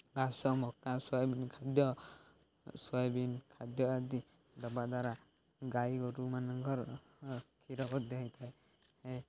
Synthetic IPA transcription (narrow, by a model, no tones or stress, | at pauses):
ɡasɔmɔkasɔjbinkʰad̪jɔ | sɔjbinkʰad̪jɔad̪i | d̪ɔbaʔd̪aɾa | ɡajɡɔɾumanɔŋɡɔɾ | kʰiɾɔbɔt̚d̪ɛɦãjt̪ʰaj | hɛ